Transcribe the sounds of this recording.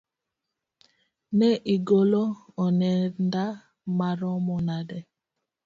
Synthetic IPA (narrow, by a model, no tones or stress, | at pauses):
nɛʔiɡolɔɔnɛnda | maɾɔmɔnadɛ